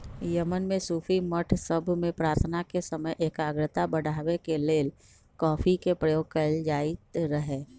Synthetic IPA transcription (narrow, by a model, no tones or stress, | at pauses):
jəmənmẽsuːfʰiməʈʰsəbʱmẽpɾaːɾt̪ʰnakesəməjʔeːkaːɡɾət̪abəɽʱaːwekeleːl | kɔːpʰikepɾəjoːɡ̚kəld͡ʒaːɪt̪ɾəɦeː